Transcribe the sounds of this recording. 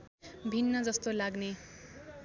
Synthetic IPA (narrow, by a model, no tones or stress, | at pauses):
bʱinːʌd͡zʌst̪olaɡne